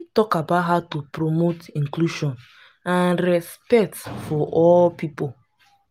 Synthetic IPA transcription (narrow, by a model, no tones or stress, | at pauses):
witɔkabatɦatupɾomotĩŋkluʃɔ̃n | ãnɾɛspɛk̚tfɔʔɔlpipo